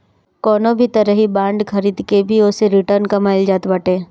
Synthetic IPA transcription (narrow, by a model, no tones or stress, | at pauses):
kɔːnõbʱit̪ɐɾəɦibãːɳɖkʰɐɾiːd̪kebʱiʊseɾɪʈəɾnkɐmaːɪld͡ʒaːt̪bɐʈẽː